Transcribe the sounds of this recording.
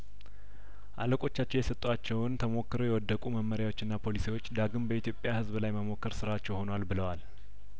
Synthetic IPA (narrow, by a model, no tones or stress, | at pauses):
ʔa̰ləkʼo̞t͡ʃːat͡ʃːɛwjɛsət̪ʼːuat͡ʃːɛwnt̪ʰəmo̞kːɨɾojɛwɔd̪ːəkʼuməmːəɾjawo̞t͡ʃːɨnːapʰo̞lisiwo̞t͡ʃːd̪aɡɨmbəit̪ʰjo̞pʼjahɨzbɨlajməmo̞kːɨɾsɨɾat͡ʃːɛwho̞nwalbɨləwal